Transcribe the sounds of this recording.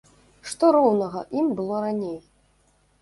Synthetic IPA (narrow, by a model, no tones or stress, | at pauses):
ʂt̪ɔɾɔwnɐɣɐʔimbɨlˠɔɾanʲej